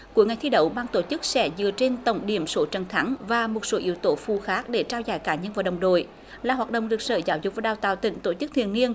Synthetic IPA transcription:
ku˧˩˥əŋa˨˩jt̪ʰi˧ɗə˧˩wɓaː˧ŋt̪o˧˩t͡ɕɨ˦˥k̚sɛ̰˧˥zɨ̰˧˨ət͡ɕe˧nt̪ə˧˩wŋ͡mɗi˧˩əmso˨˦t͡ɕə˨˩nt̪ʰa˨˦ŋvaː˨˩mo˨˩t̚so˨˦ʔḭ˨˧˦əwt̪o˨˦fu˧˩xaː˦˥k̚ɗe˧˩t͡ɕaː˧wzaː˧˨jkaː˧˩ɲə˧nvaː˨˩wɗə̰˨˩wŋ͡mɗo̰˧˨j | laː˨˩ɦwaː˨˩t̚ɗə̰˧˨ŋ͡mɗɨ˨˩ək̚sə̰ː˧˩zaː˨˦wzʊ˨˥k͡p̚vaː˨˩ɗaː˨˩wt̪a̰ː˧˨˩wt̪ï˧˩ŋ̟t̪o˧˩t͡ɕɨ˦˥k̚t̪ʰḭ˧˨əni˧ən

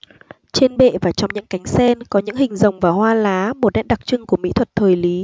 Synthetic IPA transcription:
t͡ɕe˧nɓḛ˧˨vaː˨˩t͡ɕɔ˧wŋ͡mɲɨ̰˧˥ŋka˨˦jŋ̟sɛ˧nkɔ˨˦ɲɨ̰˧˥ŋhï˨˩ŋ̟zə˨˩wŋ͡mvaː˨˩wɦwaː˧laː˨˦mo˨˩t̚ɗɛ̰˧˥n̚ɗa˨˩k̚t͡ɕɨ˧ŋku˧˩əmḭ˧˥t̪ʰwə˨˩t̚t̪ʰəː˨˩jli˨˦

